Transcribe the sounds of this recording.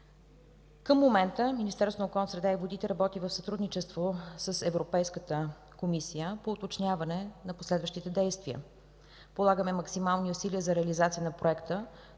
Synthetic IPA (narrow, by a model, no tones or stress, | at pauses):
kəmːomɛnt̪əminist̪ɛɾsvonokɔlˠnəsɾɛd̪aivod̪it̪ɛɾɐbɔt̪ivəfsət̪ɾud̪nit͡ʃɛst̪vosəsɛvɾopɛjskət̪ə | komisijəpoːt̪ot͡ʃnʲjavɐnɛnɐposlɛd̪vəʃt̪it̪ɛd̪ɛjst̪viə̰ | polˠaɡəmɛmɐksimalˠniʊsiliəzɐɾɛɐlizat̪sijənɐpɾoɛkt̪ə